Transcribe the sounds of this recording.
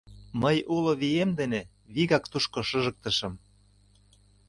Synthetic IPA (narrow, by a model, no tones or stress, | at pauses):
məjuloβijemd̪ene | βiɣɑkt̪uʃkoʃɤ̆ʒə̆k̚t̪ə̆ʃɤ̆m